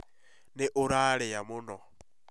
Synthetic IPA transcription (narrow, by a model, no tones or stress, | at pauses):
nɪʔʊɾaɺɛjamʊnɔ